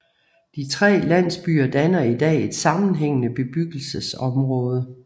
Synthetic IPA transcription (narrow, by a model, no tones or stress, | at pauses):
d̥it͡sʰʁɛ̰ːlæn̰sb̥y̰ːɐd̥ænɐid̥ɛ̰ːe̝d̥sɑ̈mn̩ɦeŋ̰ənəb̥e̝b̥yɡ̥l̩səsɒ̽mʁɔ̽ːð̞ˠə